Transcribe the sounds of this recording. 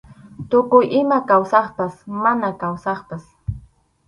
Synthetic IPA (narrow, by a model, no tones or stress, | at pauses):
t̪ʊkʊjʔɪmakawsɑχpasmanakawsɑχpas